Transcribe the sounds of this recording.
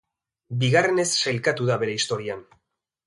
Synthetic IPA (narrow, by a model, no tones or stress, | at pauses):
biɣare̞ne̞sːajlkat̪uðaβe̞ɾe̞ist̪o̞ɾian